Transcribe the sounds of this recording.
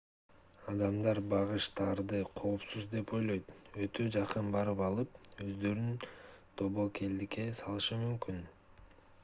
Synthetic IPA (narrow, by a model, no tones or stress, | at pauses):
ɑd̪ɑmd̪ɑɾbɑʁɯʃt̪ɑɾd̪ɯqʰo̞ːpsuzd̪e̞po̞jlˠo̞jt̪ø̞t̪ʰø̞d͡ʒɑqɯnbɑɾɯpɑlˠɯp̚ø̞zd̪ø̞ɾynt̪ʰoβo̞kʰe̞ld̪ike̞sɑlˠɯʃɯmymkyn